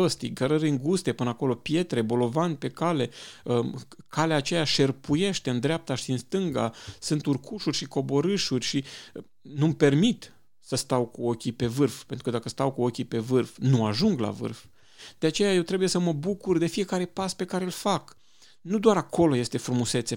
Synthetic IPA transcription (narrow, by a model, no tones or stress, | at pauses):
əst̪iɡəɾəɾɨŋɡust̪e̞pɨnəako̞lo̞pje̞t̪ɾe̞bo̞lo̞vanʲpe̞kale̞əkʰaleaːt͡ʃe̞jaʃe̞rpuje̞ʃt̪eɨnd̪ɾeap̚t̪aʃiɨnst̪ɨŋɡa̰sɨnt̪urkʰuʃurʲʃiko̞bo̞ɾɨʃurʲʃi | numpe̞rmit̪ | səst̪awkuo̞kʲipe̞vɨrfpe̞nt̪ɾukəd̪akəst̪awkuo̞kʲipe̞vɨrfnuaʒuŋɡla̰vɨ̰rf | d̪̥eat͡ʃe̞jaje̞wt̪ɾe̞buje̞səməbukurd̪e̞fije̞kaɾe̞paspe̞kaɾelfak | nud̪owaɾako̞lo̞je̞st̪e̞fɾumuse̞t̪se